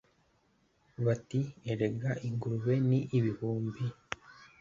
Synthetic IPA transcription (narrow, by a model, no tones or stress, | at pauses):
βatieɾeɡaʔiŋɡuɾuβe̞niʔːβihuːmbi